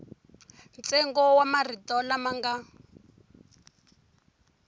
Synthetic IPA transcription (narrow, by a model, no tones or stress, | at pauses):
nt͡sɛŋɡɔwamaritɔlamaŋɡa